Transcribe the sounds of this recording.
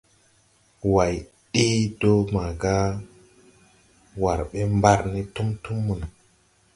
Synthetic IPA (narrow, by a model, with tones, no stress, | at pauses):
wa˨j | ɗi˦do˦ma˨ɡa˦ | wa˨ɾɓe˦mba˦ɾni˦tu˦mtu˦mːu˨n˨